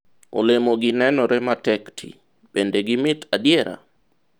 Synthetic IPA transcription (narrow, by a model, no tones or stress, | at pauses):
o̰lemoɡɪnɛnɔɾɛmatɛktʰḭ | bendeɡɪmɪtadjɛɾa̰